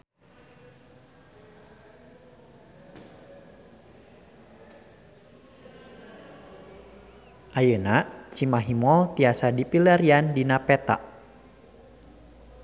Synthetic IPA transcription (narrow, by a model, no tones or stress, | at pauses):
ʔajənat͡ʃimaɦimɔlt̪iasadipilaɾiandinapɛt̪a̰ʔ